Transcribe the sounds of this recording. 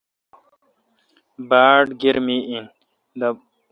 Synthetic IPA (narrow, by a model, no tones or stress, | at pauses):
baːɖɡiɾmiʔin | d̪ɐ